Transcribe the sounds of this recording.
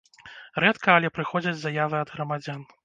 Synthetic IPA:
rɛt̪kɐːlʲɛpɾɨxɔd͡zʲɐd͡zʲzajavɨɐd̪ɣɾɐmad͡zʲan

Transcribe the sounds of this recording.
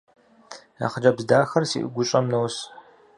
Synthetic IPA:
ja̰ːχəd͡ʒɐbzdaːxɐrsḭːʔɨ̰ɡʷʊɕʼɐmnows

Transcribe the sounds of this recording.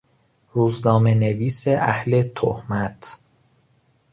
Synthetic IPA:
ɾuːznɒːmeneviːseʔæhle̞t̪ʰo̰hmæt̪ʰ

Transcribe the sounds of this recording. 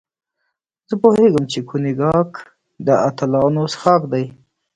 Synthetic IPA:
z̥əpoheɡəmt͡ʃekʰunɪɡɑk | d̪əat̪alɑnosxɑkd̪aj

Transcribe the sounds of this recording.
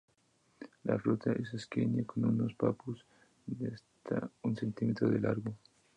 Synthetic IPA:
la̰flot̪aʔeseskeɲakonunospapos | dest̪ʰaunsent̪imet̪ɾoðelʔaɾɣo

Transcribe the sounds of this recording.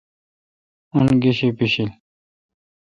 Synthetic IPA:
unɡiɕipiɕil

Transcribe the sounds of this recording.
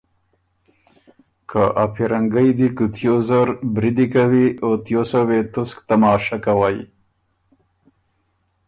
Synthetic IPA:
kʰaʔapʰiɾaŋɡajd̪ikət̪jozaɾbɾid̪ikawiot̪josawet̪ʊskt̪amɑːʃakawaj

